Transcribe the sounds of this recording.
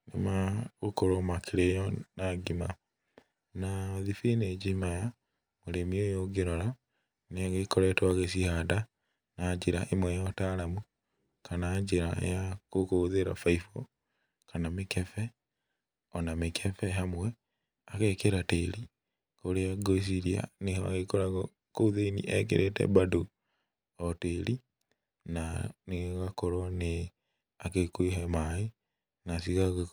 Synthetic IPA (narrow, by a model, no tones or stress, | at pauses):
nḛmaɣokoɾomakʰeɾejɔnaɡima | naðifined͡ʒimaja | moɾemiojoɡeɾoɾa | neɣekoɾɛtwaɣes̬ihada | naɲd͡ʒiɾaʔemwɛjɔtaɾamu | kanaɲd͡ʒeɾa̰jakokoðeɾa̰faifo | kʰanamekɛfɛ | ɔnamekʰefɛɦamwɛ | akekeɾateli | koɾeaɡois̬iɾia̰nehoa̰kekoɾaɣo | kouðeinḭʔɛk̬ḛɾʔetḛbado | oteɾi | naneɣakoɾone | akekwiɦemai | nasiɣaɣ